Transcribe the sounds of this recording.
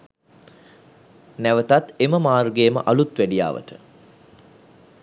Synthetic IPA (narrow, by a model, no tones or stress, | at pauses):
næʋət̪at̪eməmaːrɡeːmə̰ʔalut̪ʋæɖija̰ːʋə̰ʈə